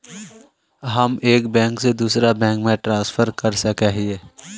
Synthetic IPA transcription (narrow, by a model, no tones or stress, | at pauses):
ɦəmeːkbɛ̃ːŋksed̪uːsɾabɛ̃ːŋkmẽʈɾãːsfʰəɾkəɾsɐkeɦieː